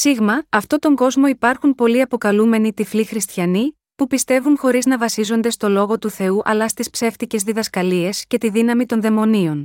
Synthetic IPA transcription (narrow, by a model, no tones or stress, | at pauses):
siɣmɐːft̪o̞t̪o̞ŋɡo̞zmo̞ipɐɾxunpo̞liɐpo̞kɐlume̞nit̪iflixɾist̪çɐni | pupist̪e̞vunxo̞ɾiznɐvɐsizo̞nd̪e̞st̪o̞lo̞ɣo̞t̪uθe̞uʔɐlɐst̪ispse̞ft̪ice̞zðiðɐskɐlie̞sce̞t̪iðinɐmit̪o̞nðe̞mo̞nio̞n